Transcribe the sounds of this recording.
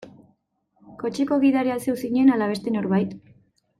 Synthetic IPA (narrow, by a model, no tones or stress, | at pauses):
ko̞t͡ʃeko̞ɣiðaɾease̞wsiɲe̞nalaβe̞st̪e̞no̞ɾβajt̪